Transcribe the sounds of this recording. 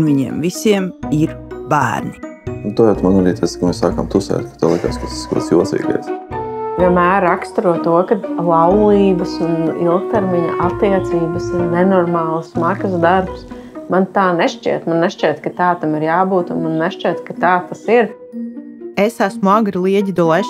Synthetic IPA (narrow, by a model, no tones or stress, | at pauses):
nʋiɲɛ̰ɛmvisiɛmiɾbæ̰ːɾninut̪ɔjat̪manaɾiːt̪askːmeːsaːka̰mt̪usɛ̰ːt̪̚kḁt̪aːlˠik̪a̰skasi̥skɾṵt̪sjilt̪sḭːɡa̰jsviɛnmæːɾakst̪ɾuɔt̪uɔkad̪lˠɑwlˠiːbəsunḭlˠk̚t̪ɛɾmiɲɐʔat̪ːiɛt̪siːbəsʊnnɛnɔɾmaːlˠsmakɐsd̪aɾps | mant̪aːneʃt͡ʃḭɛt̪manːɛʃt͡ʃɛt̪kat̪aːt̪amiɾjaːbuːt̪unmanːɛʃt͡ʃɛt̪kat̪aːt̪asiɾ | esæsmuaɡɾilˠiɛɟid̪ɔlˠɛ